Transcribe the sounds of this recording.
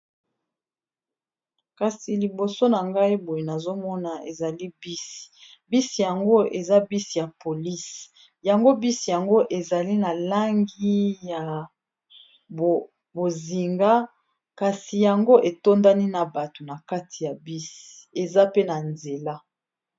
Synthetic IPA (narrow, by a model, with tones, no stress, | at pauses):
ka˨si˨li˨bo˨so˦na˨ŋɡa˦i˦bo˨je˨na˨zo˦mɔ˦na˨e˨za˨li˦bi˦si̥˨ | bi˦si˨ja˨ŋɡo˦e˨za˦bi˦si˨ja˨po˨li˦s | ja˨ŋɡo˦bi˦si˨ja˨ŋɡo˦ʔe˨za˨li˦na˨la˦ŋɡi˦ja˨ | bo˨zi˨ŋɡa˦ | ka˨si˨ja˨ŋɡo˦ʔe˨to˦nda˦ni˦na˨ba˨to˨na˨ka˦tʰi˨ja˨bi˦si̥˨e˨za˦pe˦na˨nze˨la˦